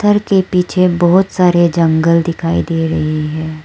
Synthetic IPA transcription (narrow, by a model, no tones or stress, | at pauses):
t̪ʰːəɾkepiːt͡ʃʰebɔɦʊt̪saːɾed͡ʒɐ̃ŋɡəld̪ɪkʰaːid̪eːɾɐɦiɦɛ̃ː